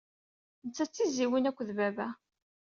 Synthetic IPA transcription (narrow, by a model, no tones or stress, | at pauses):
nət͡sːæt͡sːiziwinækʷːðbævæ